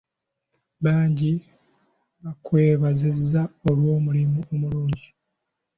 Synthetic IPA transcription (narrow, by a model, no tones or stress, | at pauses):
βaːɲɟi | βakwe̞ːβazezːaolwo̞ːmulimuomuluːɲɟi